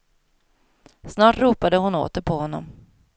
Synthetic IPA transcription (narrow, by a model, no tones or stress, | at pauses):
snɑːʈɾuːpad̪əhʊno̰ːt̪əɾpʰɔhɔnːɔ̰m